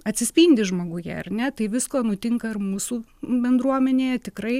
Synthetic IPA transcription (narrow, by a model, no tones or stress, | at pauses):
ɐt̪ʲsʲɪsʲpʲinʲd̪ʲɪʒmoːɡʊjɛ̰ɐ̰rnʲɛt̪ɐɪʋʲɪskoːnʊt̪ʲɪŋkɐɪrmuːsuːbʲɛnd̪ɾuɔmʲɛnʲeːjɛt̪ʲɪkrɐɪ